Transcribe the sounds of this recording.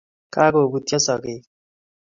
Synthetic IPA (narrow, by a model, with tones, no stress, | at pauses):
ka˦ko˨bu˨tjɔ˦sɔ˨kɪ˨